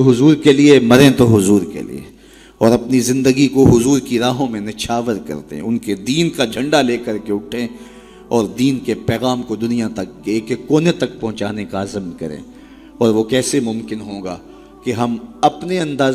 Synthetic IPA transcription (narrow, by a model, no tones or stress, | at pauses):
ɦʊzuːɾkeliemɐɾẽt̪oɦʊzuːɾkḛlḭḛ | ɔːɾɐpnizɪ̃nd̪əɡikoɦʊzuːɾkiɾaːɦõmẽnɪʃʰaːʋəɾkɐ̰ɾt̪ḛɦɛ̰̃ʊnked̪iːnkad͡ʒʱɐ̃ɳɖaleːkɐɾkeʊʈʰẽ | ɔːɾd̪iːnkepɛːɣaːmkod̪ʊnijat̪ɐkːeːkekoːnet̪ɐk̚pɐɦʊ̃t͡ʃaːnekaɐzəmkɐ̰ɾḛ̃ː | ɔːɾʋokɛːsemʊ̃mkɪnɦõːɡa̰ː | keɦɐmɐpneɐ̃nd̪aː